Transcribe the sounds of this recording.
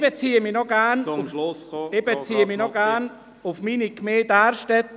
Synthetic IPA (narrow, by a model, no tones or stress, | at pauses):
bət͡siːəminɔɡanfebət͡siːəminɔɡan | ʊfmiːnikmeːdaːɾʃtɛt̪